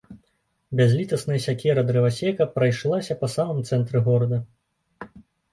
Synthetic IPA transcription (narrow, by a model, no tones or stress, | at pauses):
bʲazʲlʲit̪ɐsnɐjɐsʲakʲɛɾɐd̪ɾɨvasʲɛkɐpɾɐjʂlˠasʲɐpɐsamɨmt̪sɛnt̪ɾɨɣɔɾɐd̪ɐ